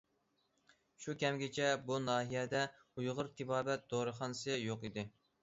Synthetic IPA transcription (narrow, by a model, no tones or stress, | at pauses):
ʃukʲɛmɡʲɪt͡ʃʰɛbunɑːɦijɛd̪ɛ | ujʁʊɾt̪ʰɨbɑːbɛt̪̚d̪̥oɾɨχɑnsɨjoqid̪ɪ